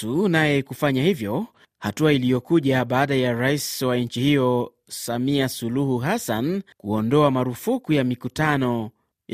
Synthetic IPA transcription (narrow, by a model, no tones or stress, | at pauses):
unajɛkufaɲahivjɔ | hatuailijɔkuʄaɓaːɗajaɾaiswaɲ̩t͡ʃihijɔ | samiasuluhuɦasankuɔndɔamaɾufukujamikutanɔ | j